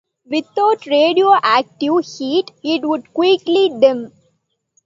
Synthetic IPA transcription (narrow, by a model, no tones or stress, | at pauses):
ʋɪt̪aʊʈɾeːɖioːʔæːk̚ʈɪʋhiːʈɪʈʋʊɖ̚kwikliɖɪ̃m